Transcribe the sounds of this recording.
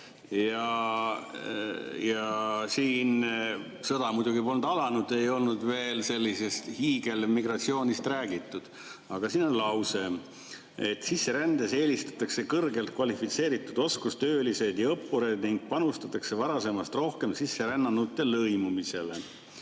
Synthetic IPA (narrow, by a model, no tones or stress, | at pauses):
jɑ | jɑsiːn | sɤd̪ɑmud̪uɡipo̞lnd̪ɑlɑnud̪̥e̞jo̞lnud̪ve̞ːlse̞lʲːise̞st̪hiːɡ̥e̞lmiɡrɑt̪sio̞ːnʲist̪ræːɡit̪ːˑud̪̥ | ɑɡ̥ɑsiːno̞nlɑwse̞m | et̪ːˑsisːe̞ɾænd̪ese̞ːlist̪ɑ̥t̪ːˑɑkse̞kɤrɡe̞lt̪̚kvɑlifit̪se̞ːɾit̪ːˑud̪̥o̞skust̪ø̞ːlise̞d̪̥jɑɤpːuɾe̞d̪niŋɡ̥̚pɑnust̪ɑt̪ːˑɑkse̞vɑɾɑse̞mɑst̪ro̞hke̞msisːe̞ɾænːɑnːut̪ːˑe̞lɤjmumise̞le